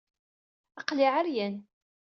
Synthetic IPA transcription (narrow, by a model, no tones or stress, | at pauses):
ɑqlɪʕəɾjən